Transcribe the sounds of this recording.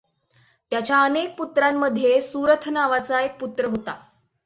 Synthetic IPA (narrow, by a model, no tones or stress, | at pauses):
t̪jat͡ɕjaənek̚put̪ɾamːəd̪ʱːjesuɾət̪ʰnaʋat͡saek̚put̪ɾəɦot̪a